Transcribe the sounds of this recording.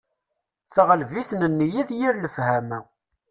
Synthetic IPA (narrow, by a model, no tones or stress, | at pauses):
θəʁəlviθnənːjiðjiɾləfhæmæ